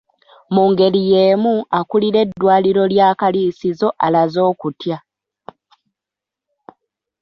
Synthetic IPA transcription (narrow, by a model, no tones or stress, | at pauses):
muːŋɡe̞lije̞ːmuakuliɾe̞dːwaːliɾo̞ljaːkaliːsizo̞ʔalazo̞ːkutja